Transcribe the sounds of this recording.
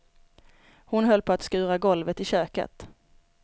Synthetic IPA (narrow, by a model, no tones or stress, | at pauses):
hʊnɦœlːpʰɔat̪skʉ̟ːɾaɡɔlvət̪ɪɕøːkə̰t̪